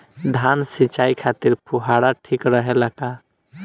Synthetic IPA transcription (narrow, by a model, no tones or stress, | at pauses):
d̪ʱansit͡ʃaikʰat̪iɾpuɦaɽaʈʰikɾəɦeləka